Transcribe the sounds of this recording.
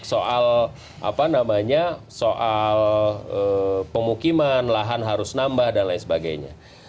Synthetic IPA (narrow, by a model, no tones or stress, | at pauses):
soʔal | ʔa̰panamaɲa | soʔaləpəmukimanlaɦanɦaɾʊsnambahdanlaisəbaɡa̰jɲa̰